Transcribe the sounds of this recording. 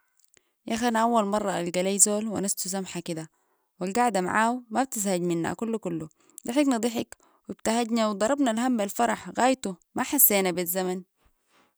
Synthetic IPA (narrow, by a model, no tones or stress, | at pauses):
jaxanaʔawːalmɑrˤːɑa̰lɡaleːjzoːlwinast̪us̬amħakid̪a | wilɡaʕd̪ama̰ʕaːwmab̚t̪izhaɟminːa̰kulːukulːu | d̪ˤɨħiknɨd̪ˤiħik | wib̚t̪ahaɟnawd̪ˤɑɾˤɑbnalhambalfɑɾˤɑħɣaːjt̪umaħasːeːnabizːaman